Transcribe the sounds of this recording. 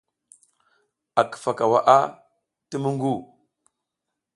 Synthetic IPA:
a˨kə̥˨fa˨ka˨wa̰˨ʔa˦ | tə˦mə˦ŋɡu˦˨

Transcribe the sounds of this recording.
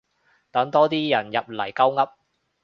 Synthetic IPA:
t̪ɐ˨˥ŋt̪ɔː˥t̪iː˥jɐ˨˩njɐ˨p̚lɐ˨˩jkɐ˥wŋɐ˥p̚

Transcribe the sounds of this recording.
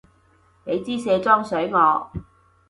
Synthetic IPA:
ne˨˧jt͡siː˥sɛː˧t͡sɔː˥ŋsɵ˨˥ɥŋɔː˨˧

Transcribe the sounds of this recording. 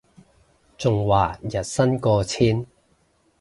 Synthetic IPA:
t͡sʊ˨ŋwaː˨˩jɐ˨t̚sɐ˥nkɔː˧t͡sʰiː˥n

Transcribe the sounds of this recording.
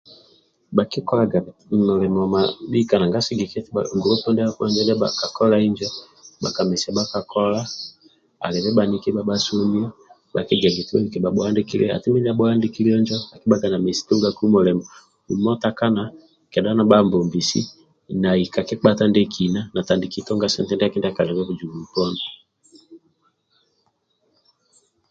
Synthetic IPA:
ɓa˨ki˦kɔ˦la˨ɡa˨mɔ˨lɛ˨mɔ˨ma˨i˦ka˨na˨ŋɡa˦si˦ɡi˨kɛ˦ta̰˨ŋɡu˨lo˦pɔ˦ndɛ˦a˦kɔ˦nd͡ʒɛ˦ndɛ˦ɓa̰˨ka˨kɔ˦la˦i˦ɲd͡ʒɛ˦ | ɓa˨ka˨mɛ˨si˨a˨ɓa˦ka˨kɔ˦la˦ | a̰˨lɛ˨βɛ˦ɓa˨ni˦kɛ˦ɓa˨ɓa˦so˦mi˦ɔ˦ | ɓa˨kɛ˦ɡa˨ɡi˨ti˦a˦i˨kɛ˨ɓa˨ɓɔ˨a˦ndɛ˦ki˦lɛ̰˦a̰˨tɛ˦mɛ˦ni˦a˦ɓɔ˦a˦ndi˦ki˦li˦ɔ˦ɲd͡ʒɔ˦a˨ki˦ɓa˦ka˨na˨mɛ˨si̥˦tu˦ŋɡa˦ku˦mɔ˨lɛ˨mɔ˨ | u˨mɔ˦ta˦ka˦na˨ | kɛ˨da˦na˨ɓa˦mbɔ˨mbi˨sḭ˦ | na˨i˨ka˨kɛ˦k͡pa˦ta˦ndɛ˦kʰi˨na˦na˨ta˨ndi˨ki˦tɔ˦ŋɡa˦sɛ˦ntɛ˦ndɛ˦a˦kɛ˦ndɛ˦a˨ka˨lɛ˨βɛ˦βu˨d͡ʒu˨ɡu˨u˨pɔ˦nɔ˨

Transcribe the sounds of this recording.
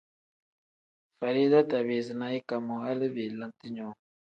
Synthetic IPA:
fa˨ɾi˦da˦ta˨βe˨zi˨na˦i˦ka˨mo˨a˦lə˦be˨lə̃˦nti˦ɲɔ̃˨˦

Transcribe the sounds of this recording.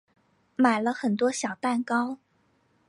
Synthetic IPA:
ma˨˩ɪlə˦xə˨˩nt̪wɔ˥ɕjɑ˨˩ʊt̪a˥˩nkɑ˥ʊ

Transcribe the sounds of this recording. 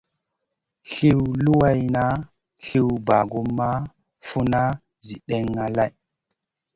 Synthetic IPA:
ɬi˦wlu˦wa˦jna˦ | ɬi˦wba˨ɡu˦mːa˦ | fu˦na˦ | zi˨ɗe˦ŋːa˦la˦˨j

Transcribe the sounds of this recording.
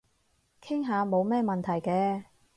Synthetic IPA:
kʰɪ˥ŋɦaː˨˧mo˨˧wmɛː˥mɐ˨nt̪ʰɐ˨˩jkɛː˧

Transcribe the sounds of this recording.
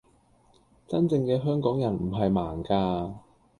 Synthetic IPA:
t͡sɐ˥nt͡sɪ˧ŋkɛː˧ɦœː˥ŋkɔː˨˥ŋjɐ˨˩nm̩˨˩ɦɐ˨jmaː˨˩ŋkaː˧

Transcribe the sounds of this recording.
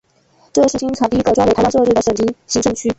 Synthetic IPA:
ʈ͡ʂɤ˥˧ʂɻ̩˥˩ɕi˥ŋt͡sʰɑ˨˩t̪i˥kʈ͡ʂwŋʰ˥˨˧a˥ʂɤ˥˧ʈ͡ʂɻ̩˥˩ə˩ʂə˨˩nt͡ɕi˥ŋɕi˧˥ŋʈ͡ʂɤ˥˧ŋt͡ɕʰy˥

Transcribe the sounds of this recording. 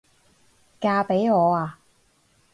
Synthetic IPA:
kaː˧pe˨˥jŋɔː˨˧aː˧

